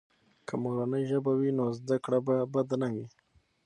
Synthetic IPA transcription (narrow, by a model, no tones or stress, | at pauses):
kʰamoɾanəjʒəbawinozd̪akɽababad̪anawi